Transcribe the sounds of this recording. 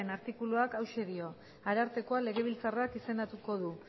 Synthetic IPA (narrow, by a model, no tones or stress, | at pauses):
enaɾt̪ikuluakawʃe̞ðio̞ | aɾaɾt̪e̞ko̞ale̞ɣ̞e̞β̞ilt͡sarakise̞nat̪uko̞ð̞u